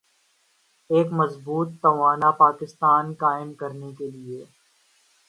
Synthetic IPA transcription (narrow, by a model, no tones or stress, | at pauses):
eːkmɐzbuːt̪ːɐʋaːnapaːkɪst̪aːnkaːɪmkɐɾnekelie